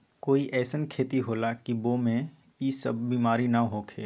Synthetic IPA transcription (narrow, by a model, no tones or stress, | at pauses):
koːiʔɛːsənkʰeːt̪iɦoːlakibomẽ | iːsəbːiːmaːɾinɐɦoːkʰḛː